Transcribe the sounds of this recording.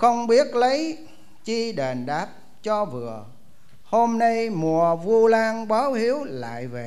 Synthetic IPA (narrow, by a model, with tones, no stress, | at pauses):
xə˧wŋ͡mɓi˦˥ət̚lə˨˦j | t͡ɕi˧ɗe˨˩nɗaː˦˥p̚ | t͡ɕɔ˧vɨ˨˩ə | ho˧mna˧jmu˨˩əvu˧laː˧ŋɓaː˨˦whi˨˦əwla̰ː˧˨jve˨˩